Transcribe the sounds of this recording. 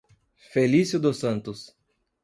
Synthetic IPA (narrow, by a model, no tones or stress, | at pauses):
felisjʊd̪ʊsɐ̃nt̪ʊs